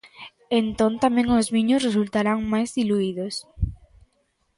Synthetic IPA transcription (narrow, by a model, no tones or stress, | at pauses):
ent̪õnt̪amẽŋozβiɲosresult̪aɾaŋmajzðiluiðos